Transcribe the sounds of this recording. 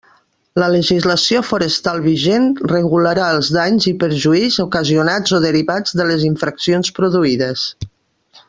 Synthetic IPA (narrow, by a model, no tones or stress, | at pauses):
lələʒizləsiofuɾəst̪alˠβiʒenrəɣuləɾaəlˠzðaɲzipəɾʒuizukəziunad͡zoðəɾiβad͡zðələziɱfɾəksionspɾuðuiðəs